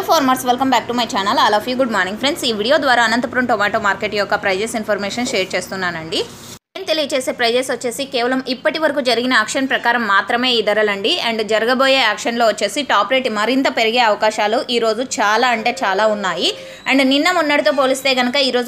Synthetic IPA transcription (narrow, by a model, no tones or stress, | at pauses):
pʰoːɾmɐɾsʋelkɐmbaːk̚ʈumɐjt͡ʃaːnɐlaːlɐfʰjuːɡuɖmaːɾniŋɡpʰɾe̞ɳɖsiːʋiːɽijoːd̪ʋaːɾaːɐnɐnt̪ɐpuɾɐmʈomaːʈoːmaːɾkeʈijɔkːɐpɾɐjd͡ʒeːsinpʰɐɾmeːʂɐnʃeːɾt͡ʃe̞ːst̪unːaːnɐɳɖi | eːmt̪e̞lijɐt͡ʃeːse̞ːpɾɐjd͡ʒeːsʋɐt͡ʃːe̞ːsikeːʋɐlɐmipːɐʈiʋɐɾɐkuːd͡ʒɐɾiɡinɐaːkʂɐnpɾɐkaːɾɐmːaːt̪ɾɐme̞ːiːd̪ɐɾɐlɐɳɖiɐɳɖd͡ʒɐɾɐɡɐbo̞ːjeːaːkʂɐnlo̞ːʋɐt͡ʃːe̞ːsiʈaːpɾe̞ːʈmɐɾint̪ɐpe̞ɾiɡeːɐʋɐkaːʃaːluʔiːɾo̞ːd͡ʒut͡ʃaːlaːɐɳʈe̞ːt͡ʃaːlaːunːaːji | ɐɳɖninːɐmunːɐɽit̪o̞ːpo̞ːlist̪e̞ːɡɐnɐkɐiːɾo̞ːd͡ʒ